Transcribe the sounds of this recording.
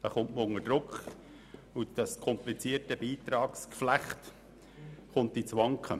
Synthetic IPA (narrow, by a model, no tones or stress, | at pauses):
d̥ɑχʊntməʊŋəd̥ɾʊkχ | ud̥ɑskʰɔmplit͡siːətəbiːt̪ɾɑːkskflæχt | χʊnt̚d̥it͡sʋɑŋkχə̰